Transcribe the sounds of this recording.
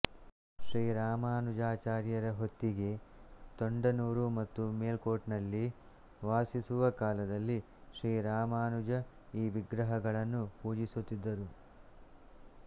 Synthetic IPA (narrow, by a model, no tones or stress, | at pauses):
ʃɾiːɾaːmaːnud͡ʒaːt͡ʃaːɾjɐɾɐɦo̞t̪ːiɡe̞t̪oɳɖɐnuːɾumɐt̪ːumeːlko̞ːʈnɐlːi | ʋaːsisuʋɐkaːlɐd̪ɐlːi | ʃɾiːɾaːmaːnud͡ʒɐ | iːʋiɡɾɐɦɐɡɐɭɐnːupuːd͡ʒisut̪ːid̪ːɐɾu